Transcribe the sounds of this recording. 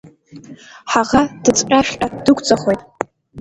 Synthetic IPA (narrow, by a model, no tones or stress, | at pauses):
ħaʁad̥ɨt͡sʼqʲʼaʃʲqʼadɨɡʷʼt͡sʼaχʷojtʼ